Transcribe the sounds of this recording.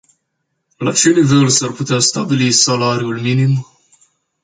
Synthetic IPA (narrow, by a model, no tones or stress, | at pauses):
lat͡ʃe̞nive̞lsarput̪east̪abilisalaɾiulminim